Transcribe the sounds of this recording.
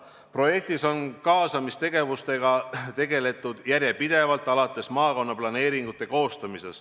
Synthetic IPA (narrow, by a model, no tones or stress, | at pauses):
pro̞je̞k̚t̪iso̞nkɑːsɑmist̪e̞ɡ̥e̞vust̪e̞ɡ̥ɑt̪e̞ɡe̞le̞t̪ːˑud̪̥jæɾjepid̪̥e̞vɑlt̪ːˑɑlɑt̪ːˑe̞smɑːko̞nːɑplɑne̞ːɾiŋɡ̥ut̪ːˑe̞ko̞ːst̪ɑmise̞̰s